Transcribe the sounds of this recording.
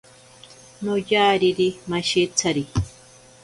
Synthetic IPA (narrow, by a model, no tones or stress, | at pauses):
nojaːɾiɾimaʃit͡sʰaɾi